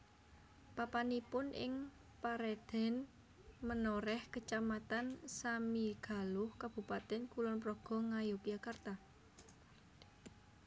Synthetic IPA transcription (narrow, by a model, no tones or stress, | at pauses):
papanipʊnʔɪ̰ŋ | paɾɛd̪̥ɛ̤n | mənɔɾɛhkət͡ʃamat̪ansamiɡ̥a̤lʊhkab̥ṳpat̪ɛnkulɔnpɾɔɡ̥ɔ̤ŋajokijakart̪a